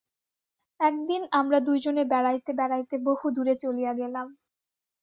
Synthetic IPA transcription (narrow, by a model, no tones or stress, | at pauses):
ɛk̚d̪inamɾad̪ujd͡ʑonebɛɾajt̪ebɛɾajt̪ebohud̪uɾet͡ɕolijaɡelam